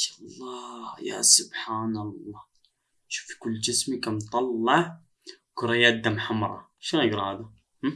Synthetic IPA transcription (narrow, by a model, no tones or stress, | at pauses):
ʃlˤːɑja̰sʊbħanəlˤːɑː | ʃu̥fi̥kʊlːd͡ʒəsmikæmt̪ˤɑlːɑʕ | kʊɾˤɑjæd̪ːæmħamɾˤɑ̰ | ʃnnəɡɾˤɑhæd̪a | h